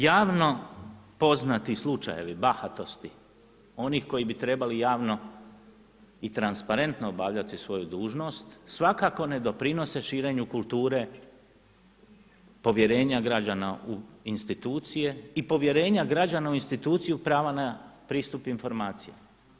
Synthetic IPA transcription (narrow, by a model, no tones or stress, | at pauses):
jaːʋno̞po̞znat̪islˠut͡ʃa̰je̞̰ʋibaxat̪o̞st̪i | o̞nixko̞jibit̪ɾe̞balijaːʋno | it̪ɾanspaɾe̞nt̪noːbaʋʎat̪isʋo̞jud̪uːʒno̞st̪sʋakako̞ne̞d̪o̞pɾino̞se̞ʃiːɾe̞ɲukulˠt̪uːɾe̞ | po̞ʋje̞ɾe̞ːɲaɡɾad͡ʑanauinst̪it̪uːt̪sije̞ipo̞ʋje̞ɾe̞ːɲaɡɾad͡ʑanauinst̪it̪uːt̪sijupɾaːʋanapɾiːst̪upinfo̞ɾmaːt̪sija̰